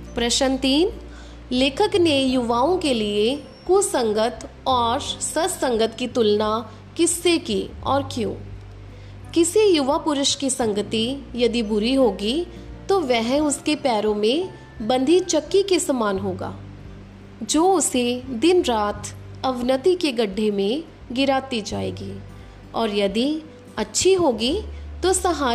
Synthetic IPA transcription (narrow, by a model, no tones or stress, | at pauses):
pɾɐʃənt̪iːn | leːkʰəknejʊʋaːõkelie | kusɐ̃ŋɡət̪ | ɔːɾsɐssɐ̃ŋɡət̪kit̪ʊlna | kɪsːekiɔ̰ːɾkjõ̰ː | kɪsejʊʋapʊɾʊʃkisɐ̃ŋɡət̪ijɐd̪ibʊɾiɦoːɡi | t̪oʋɛɦʊskepɛːɾõmẽ | bɐ̃nd̪ʱit͡ʃɐkːikesɐmaːnɦoːɡa̰ː | d͡ʒoːʊsed̪ɪnɾaːt̪ʰ | ɐʋnət̪ikeɡɐɖʱːemẽ | ɡɪɾaːt̪id͡ʒaːḛːɡiː | ɔːɾjɐd̪i | ɐtːʃʰiɦoːɡit̪osɐɦaː